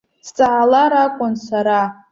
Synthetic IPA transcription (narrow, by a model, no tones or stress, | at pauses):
st͡sʼaʕalaɾakʷʼʊnsaɾa